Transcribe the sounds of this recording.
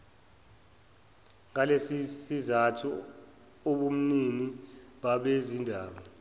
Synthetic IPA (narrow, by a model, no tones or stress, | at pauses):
ŋalesisizatʰu | oɓum̩niniɓaɓezindʱaːɓa